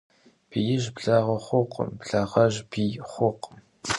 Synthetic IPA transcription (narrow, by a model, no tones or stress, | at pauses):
b̥ijɪʒbɮaʁɐχʷʊqʰə̰mbɮɐʁɐʒbiχʷʊq